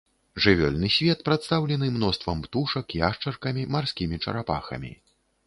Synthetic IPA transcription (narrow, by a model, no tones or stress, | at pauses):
ʐɨvʲɔ̰lʲnɨsʲvʲɛt̪pɾat̪st̪awlʲɛn̪ɨmnɔst̪vɐmpt̪uʂɐkiaʂt͡ʂɐrkɐmʲimarsʲkʲimʲit͡ʂɐ̰ɾapa̰xɐ̰mʲḭ